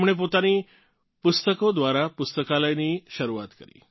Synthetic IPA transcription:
mɽ̃ep̬ot̪ani | pust̪əkod̪ʋaɾapust̪əkaləjniʃəɾuat̪kəɾḭː

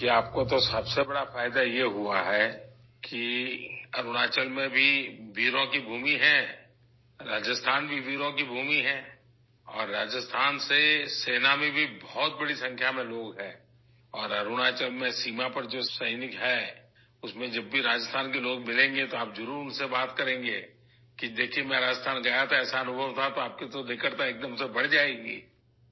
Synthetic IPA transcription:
kiaːp̚kot̪osɐbsebɐɽafaːɪd̪ajeɦuaɦɛ | ki | ɐɾʊɽ̃aːt͡ʃəlmẽbʱiʋiːɾokibʱuːmiɦɛ̃ː | ɾaːd͡ʒəst̪ʰaːnbʱiʋiːɾokibʱuːmiɦɛ̃ː | ɔːɾːaːd͡ʒəst̪ʰaːnseseːnamẽbʱibɔːt̪̚bɐɽisɐ̃ŋkʰjamẽloːɡɦɛ̃ː | ɔːɾɐɾuɽ̃aːt͡ʃəlmẽsiːmapɐɾd͡ʒoːsɐɪnɪkɦɛ | ʊsmẽd͡ʒɐbːʱiɾaːd͡ʒəst̪ʰaːnkeloːɡ̚mɪlẽːŋɡet̪oaːpzʊɾuːɾʊnsebaːt̪kɐɾẽːŋɡeː | kid̪eːkʰiemɛ̃ɾaːd͡ʒəst̪ʰaːnɡɐjat̪ʰaɛːsaɐnʊbʱəʋt̪ʰat̪oaːp̚ket̪od̪ɪkʰəɾt̪aeːk̚d̪əmsebɐɽ̤d͡ʒaːeɡiː

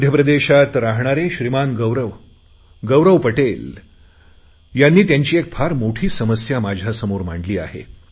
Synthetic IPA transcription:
d̪ʱjəpɾəd̪eɕat̪ɾaɦɳaɾeɕɾimanɡəʋɾəʋ | ɡəʋɾəʋpəʈel | janːiːt̪jaɲt͡ɕiːek̚fʰaɾmoʈʰiːsəməsjamad͡ʑʱjasəmoɾm̤aɳɖliːa̰ɦḛ

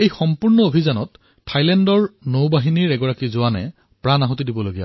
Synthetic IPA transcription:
ejxɔmpuɹnɔobʱizanɔt | tʰːajlɛndɔɹnowbaɦiniɹɛɡɔɹakizʊwanɛ̰ | pɹanaɦɔtidibɔloɡija̰

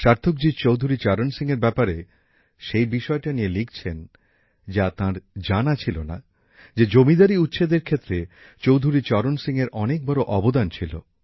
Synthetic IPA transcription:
ʃaɾt̪ʰok̚d͡ʑit͡ɕowd̪ʱuɾit͡ɕɔɾonsiŋeɾbɛpaɾe | ʃejbiʃɔeʈanielikt͡ɕʰen | d͡ʑat̪ãɾd͡ʑanat͡ɕʰilona̰ | d͡ʑed͡ʑomid̪aɾiut̪ːɕʰed̪eɾkʰet̪ːɾe | t͡ɕowd̪ʱuɾit͡ɕɔɾonsiŋeɾʔɔnek̚bɔɾoʔɔbod̪ant͡ɕʰilo̰

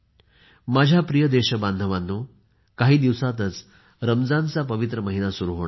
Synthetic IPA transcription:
mad͡ʑʱjapɾijəd̪eɕəband̪ʱəʋanːu | kaɦiːd̪iʋsat̪ət͡s | ɾəmd͡zant͡sapəʋit̪ɾəməɦinasuɾuɦoɳa

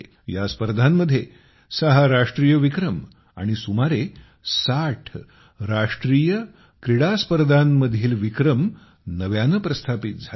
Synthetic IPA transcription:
jaspəɾd̪ʱanːəd̪ʱːje | səɦaɾaʂʈɾiːjəʋikɾəm | a̰ɽ̃isumaɾe | saʈʰ | ɾaʂʈɾiːjə | kɾiɽaspəɾd̪ʱanːəd̪ʱiːlʋikɾəm | nəʋjanəpɾəst̪ʰapit̪̚d͡zʱa

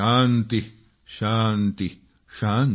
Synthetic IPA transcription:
ant̪i | ʃaːnt̪i | ʃaːn

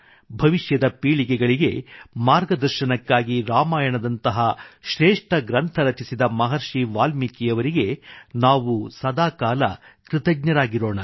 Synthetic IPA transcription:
bʱɐʋiʃjɐd̪ɐpiːɭiɡɛɡɐɭiɡe̞̰maːɾɡɐd̪ɐɾʃɐnɐkːaːɡiɾaːmaːjɐɳɐd̪ɐnt̪ɐɦɐʃɾeːʂʈɐɡɾɐnt̪ʰɐɾɐt͡ʃisid̪ɐmɐɦɐɾʃiʋaːlmikijɐʋɐɾiɡe̞naːʋusɐd̪aːkaːlɐ̰kɾɪt̪ɐɡ̚ɲɐɾaːɡiɾo̞ːɳɐ

